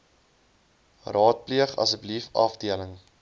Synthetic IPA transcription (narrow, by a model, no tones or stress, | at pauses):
rɑːt̚pliəχɐ̰səbəlifɐ̰fdiələŋ